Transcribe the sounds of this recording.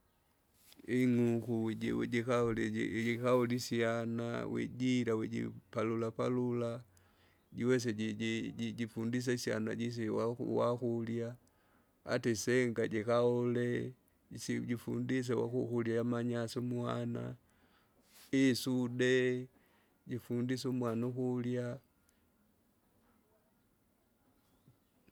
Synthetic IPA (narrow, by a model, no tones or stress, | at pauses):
iŋukuiɟikalɛikaulisiana̰wɛ̰ɟiɾawɛɟḭpalulapalula | ɟiwɛs̬ɛiiiɟifundis̬asia̰na̰ɟis̬iwaṵwaxulja̰ː | tiseŋɡaɟikaole | ɟifṵndis̬ewa̰xuxuljajamaɲasomwana̰ | isude | ɟifundisumwanuxulja